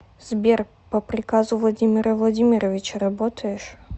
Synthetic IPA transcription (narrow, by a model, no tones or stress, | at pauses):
zʲbʲɛr | pɐpɾʲɨkazuvlˠad͡zʲimʲɪɾɐvlˠad͡zʲimʲiɾɐvʲit͡ɕɐɾabɔt̪ʰɐjɛʂ